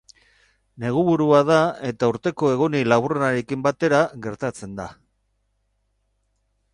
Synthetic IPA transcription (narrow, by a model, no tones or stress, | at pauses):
ne̞ɣ̞uβuɾuað̞ae̞t̪auɾt̪e̞ko̞e̞ɣonilaβurenaɾe̞kimbat̪e̞ɾaɣe̞ɾt̪at͡se̞nd̪a